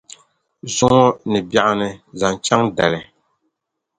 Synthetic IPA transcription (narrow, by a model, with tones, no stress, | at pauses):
zʊ˦ŋɔ˦nɨ˨bja˨ʔa˦nɨ˨za˨nt͡ʃa˦ŋdɛ˨lɨ˨